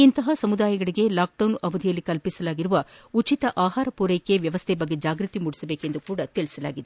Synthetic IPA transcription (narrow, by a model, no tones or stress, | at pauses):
int̪ɐɦɐsɐmud̪aːjɐɡɐɭiɡe̞laːk̚ɖɐwnɐʋɐd̪ʱijɐlːikɐlpisɐlaːɡiɾuʋɐut͡ʃit̪ɐʔaːɦaːɾɐpuːɾejkːeʋjɐʋɐst̪ʰɛbɐɡːe̞d͡ʒaːɡɾɨt̪imuɽisɐbeːke̞nd̪ukuːɽɐt̪iɭisɐla̰ːɡid̪e